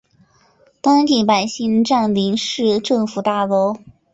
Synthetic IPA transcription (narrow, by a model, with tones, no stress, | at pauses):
t̪wa˥nt̪ʰi˧˥pa˨˩ɪɕi˥˧ŋʈ͡ʂa˥˩nli˧˥ŋʂɻ̩˥˧ʈ͡ʂɤ˥˩ŋfu˨˩t̪a˥˩lo˧˥ʊ